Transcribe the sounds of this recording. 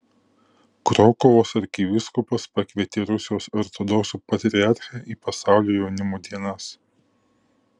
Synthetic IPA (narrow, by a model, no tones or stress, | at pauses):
kɾɔkɔʋoːsɐɾʲkʲiʋʲɪskʊpɐspɐkʲʋʲiɛt̪ʲɪɾʊsʲɪjoːsɐɾt̪oːd̪ɔksuːpɐt̪ʲɾʲɾʲɪɑːˑɾʲxʲɛʔiːpɐsɑˑʊlʲoːjɛʊnʲɪmoːd̪ʲiɛnɐs